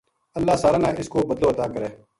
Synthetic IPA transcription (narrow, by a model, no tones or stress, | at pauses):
əlːaːsaːɾaːnaːʔɪskoːbəd̪loːət̪aːkəɾeː